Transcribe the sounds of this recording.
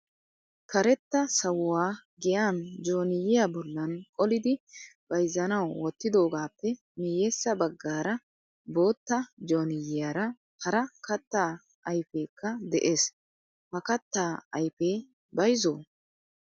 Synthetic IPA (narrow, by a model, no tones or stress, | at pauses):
kɐɾɛt̪ːɐsɐwwaːɡɪjaːnd͡ʒo̞ːnɪjɪjabɔlːɐnkʼɔlɪd̪ɪb̥ɐjzɐnɐwwɔt̪ːɪd̪o̞ːɡaːpːɛ | mɪjɛsːɐbɐɡːaːɾɐ | bo̞ːt̪ːɐd͡ʒo̞ːnɪjɪjɐɾɐ | hɐɾɐkɐt̪ːaː | ʔɐjfeːkʰːɐd̪ɛʔe̞ːs | hɐkɐt̪ːaːɐjfeː | bɐjzoː